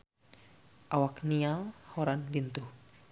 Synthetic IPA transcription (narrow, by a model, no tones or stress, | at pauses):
ʔawaknialhɔɾanlint̪uh